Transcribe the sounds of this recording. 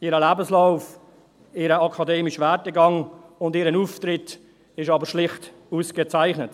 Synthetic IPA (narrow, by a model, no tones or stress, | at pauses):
ɪɾəlæːbəslaʊf | ɪɾəɑkʰɑdeːmɪʃʋɛt̚əɡɑŋʊndɪːɾənuftɾɪt | ɪʃɑːbəɾʃlɪχt | uːskət͡saɪχnət